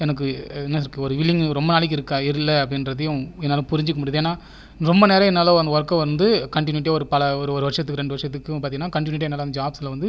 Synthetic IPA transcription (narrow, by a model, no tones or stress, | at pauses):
ɛnɐk̬ːɯɛnːaɪɾɯkːɯɔɾɯʋɪɭːɪŋɡɾɔmbɐnaːɭɪk̬ːɪɾɯkːaːɪɾɯlːɐɐpːɽɪnɾɐðɐjʊ̃ɛnːaːlɐ̃pʊɾɪɲd͡ʒɯkːɐmʊɽɪɐðeːnːaː | ɾɔmbɐneːɾɐ̃ɛnːaːlɐ̃ʋɐnd̪ɯɔɾɐkːɐ̃ʋɐnd̪ɯkɐɳʈɪnʊɪʈ̬ːjaːɔɾɯpɐlɐɔɾɯɔɾɯʋɐɾʂɐt̪ːɯkːɯɾɛɳɖɯʋɐɾʂɐt̪ːɯkːɯpaːɾt̪iŋɡɐnːaːkɐɳʈɪnʊɪʈ̬ːjaːnːaːlɐnd̪ɐd͡ʒaːbslɐʋɐnd̪ɯ